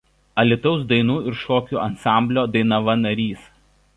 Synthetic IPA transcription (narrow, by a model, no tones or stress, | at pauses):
ɐlʲɪt̪ɔʊsd̪ɐɪnuːɪɾʃoːkʲuːʔɐnsɑˑmʲbʲlʲoːd̪ɐɪnɐʋɐnɐɾʲiːs